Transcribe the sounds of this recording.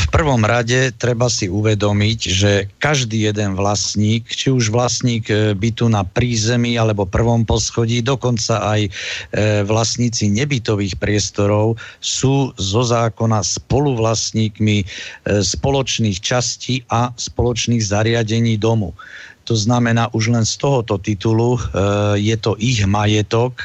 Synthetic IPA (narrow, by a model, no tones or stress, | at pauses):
fpr̩ʋɔmɾaɟɛt̪ɾɛbasiuʋɛd̪ɔmiɟʒɛkaʒd̪iːjɛd̪ɛnʋlasɲiːkt͡ʃiuʒʋlasɲiːɡbit̪unapɾiːzɛmialɛbɔpr̩ʋɔmpɔsxɔɟiːd̪ɔkɔnt͡saʔaj | ʋlasɲiːt͡siɲɛbit̪ɔʋiːxpɾɪɛst̪ɔɾɔʊsuːzɔzaːkɔnaspɔluʋlasɲiːkmispɔlɔt͡ʃniːxt͡ʃasciːʔaspɔlɔt͡ʃniːɣzaɾɪaɟɛɲiːd̪ɔmṵt̪ɔznamɛnaːʔuʒlɛnst̪ɔɦɔt̪ɔt̪it̪ulujɛt̪ɔʔiɣmajɛt̪ɔk